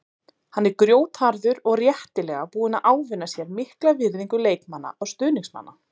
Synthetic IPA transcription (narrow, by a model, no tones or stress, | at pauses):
hanːɛɾkɾjoːwt̪haɾðʏɾɔɣrjɛht̪ɪlɛɣapuːðɪnaðʔaːwvɪnːasjɛɾmɪhklavɪɾðiŋkʏleːjkmanːa̰awst̪ʏːðniŋsma̰nːa